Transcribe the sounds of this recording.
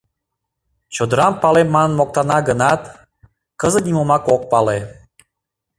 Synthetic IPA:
t͡ɕod̪əɾɑmpɑlemmːɑnmok̚t̪ɑnɑɡənɑt̪ | kəzə̆t̪nʲimomɑkok̚pɑle

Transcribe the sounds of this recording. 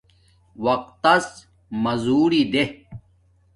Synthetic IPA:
wɐq̚t̪ːɐs | mɐzuːɾid̪e

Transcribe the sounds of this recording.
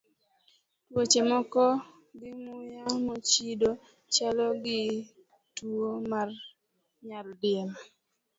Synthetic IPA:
twot͡ʃemɔkɔ | ɡɪmʊjamɔt͡ʃido | t͡ʃalɔɡɪ | tuomar | ɲaldɪɛl

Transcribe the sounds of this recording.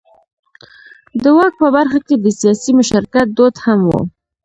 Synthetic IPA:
d̪əwɑk̚pəbaɾxaked̪əsijɑsimʊʃaɾkat̪̚d̪od̪hamwṵ

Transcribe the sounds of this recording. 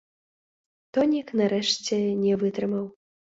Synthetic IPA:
t̪ɔnʲiknaɾɛʂt͡sʲɛnʲɛvɨt̪ɾɨmɐw

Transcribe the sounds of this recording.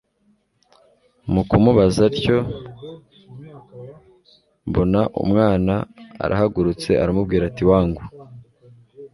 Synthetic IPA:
mukumuβazaɾco̞ | mbo̞naʔṵmŋaːnaa̰ɾʔa̰ɦaɡuɾut͡se̞ʔaɾamubɡiːɾatiwaːŋɡu

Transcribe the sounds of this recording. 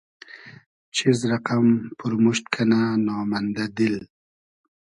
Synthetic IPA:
t͡ʃɪzɾaqampʊɾmʊʃt̪kʰananɑːmand̪ad̪ɪl

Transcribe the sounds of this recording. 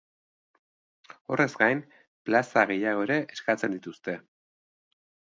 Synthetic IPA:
o̞̰re̞zɡajn | plasaɣ̞e̞jaɣo̞eɾe̞ʔeskat͡se̞nd̪it̪ust̪e̞

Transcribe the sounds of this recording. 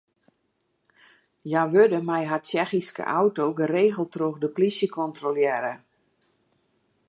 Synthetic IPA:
jaʋødəmɛjɦat͡ʃɛxiskə̰ʔawtoːɡəreːɣəlˠtroxdəplisjəkʰɔntroljɛɾə

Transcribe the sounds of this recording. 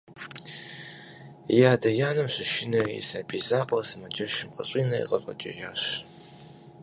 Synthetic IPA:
jaːdɐjaːnɨmɕʷɪʃɪnɐḭsɐbʰiːzaːqʼɐsɨmɐd͡ʒɐʃɪmqəɕʼiːnɐḭqʼɐɕʷʼɐ̰t͡ʃʼɪ̰ʒaːɕ

